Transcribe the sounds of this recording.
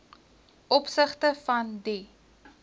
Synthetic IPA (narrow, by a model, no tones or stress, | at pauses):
ʔɔpsəχtəfɐndi